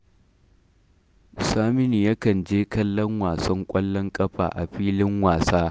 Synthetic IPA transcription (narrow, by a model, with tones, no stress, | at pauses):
saː˦mɪ˦ni˨jɐ˦kɐ˨nd͡ʒeː˦kɐ˦lːɐ˦ŋwaː˨sɐ˦ŋkʷʼɐ˦lːɔ˦ŋkʼɐ˦ɸa̰ː˨ʔa̰˨ɸiː˦lɪ˦ŋwaː˨saː˦